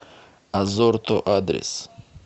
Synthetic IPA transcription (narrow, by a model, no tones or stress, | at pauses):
azoɾt̪ʰoʔad̪ɾḛs